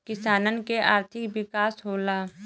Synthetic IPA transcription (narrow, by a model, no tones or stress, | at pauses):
kɪsaːnənkeʔaːɾt̪ʰɪkʋɪkaːsɦoːlaː